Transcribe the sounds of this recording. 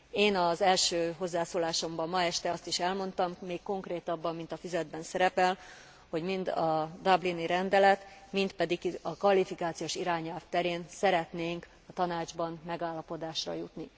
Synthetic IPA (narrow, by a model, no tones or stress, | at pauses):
eːnɒzɛlʃøːɦo̞zːaːsoːlaːʃo̞mbɒmːɒɛʃt̪ɛɒst̪iʃɛlmo̞nt̪ɒmːeːkko̞ŋkreːt̪ɒbːɒmːint̪ɒfizɛd̪̚bɛnsɛɾɛpɛl | ho̞ɟmind̪ɒd̪ɒbliniɾɛnd̪ɛlɛt̪mint̪pɛd̪ikiɒkvɒlifikaːt̪sijoːʃiɾaːɲɛlft̪ɛɾeːnsɛɾɛt̪neːŋk | ɒt̪ɒnaːd͡ʒbɒnmɛɡaːlːɒpo̞d̪aːʃrɒ̰jut̪ni